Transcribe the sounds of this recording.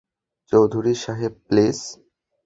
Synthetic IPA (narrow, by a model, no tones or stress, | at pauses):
t͡ɕowd̪ʱuɾiʃaɦeb̚ples